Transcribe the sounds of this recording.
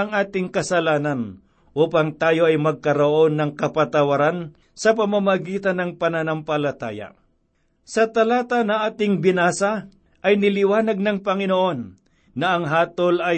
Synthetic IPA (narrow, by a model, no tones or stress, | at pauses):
ɐŋʔaːt̪ɪŋkɐsɐlaːnɐn | ʔuːpɐŋt̪aːjo̞ʔɐjmɐɡ̚kɐɾoʔo̞nːɐŋkɐpɐt̪ɐwɐɾan | sɐp̬ɐmamɐɡiːt̪ɐnːɐŋpɐnɐnɐmpɐlɐt̪a̰ːjɐ̰ | sɐt̪ɐlaːt̪ɐnɐʔaːt̪ɪŋbɪnaːsɐ | ʔɐjnɪlɪwaːnɐɡ̚nɐŋpɐŋɪnoʔo̞nː | ɐʔɐŋɦaːt̪olɐj